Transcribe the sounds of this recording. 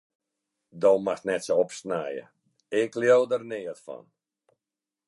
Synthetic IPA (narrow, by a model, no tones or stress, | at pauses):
doːmaxnɛtsoɔpsnajə̰ | ɪkljowdərnɪːətfɔ̰n